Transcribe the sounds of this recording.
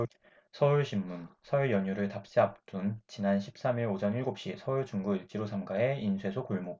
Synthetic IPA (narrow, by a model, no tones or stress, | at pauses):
sʰʌuɭɕʰimːunsʰʌiɭjʌɲuɾɯɭtap̚ɕ͈iap̚t͈unt͡ɕinanɕʰi̥p̚s͈amiɾod͡ʑʌniɭɡop̚ɕ͈isʰʌuɭt͡ɕuŋɡuiɭt͡ɕ͈iɾosʰamɡae̞insʰwe̞sʰokuɭmo